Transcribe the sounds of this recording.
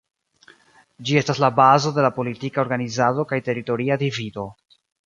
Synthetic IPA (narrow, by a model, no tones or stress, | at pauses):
d͡ʒie̞staslabazo̞de̞lapo̞litikaoɾɡanizado̞kajte̞ɾito̞ɾiadivido̞